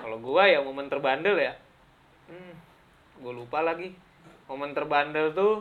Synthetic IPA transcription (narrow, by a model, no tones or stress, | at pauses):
kaloɡuajamomənt̪ərbandəlja | m̩ | ɡualupalaɡi | momənt̪ərbandəlt̪u